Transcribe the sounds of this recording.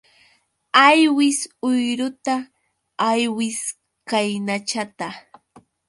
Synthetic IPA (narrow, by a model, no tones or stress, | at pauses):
ajwɪsʊjɾʊt̪aː | jwɪs | kajnat͡ʃat̪a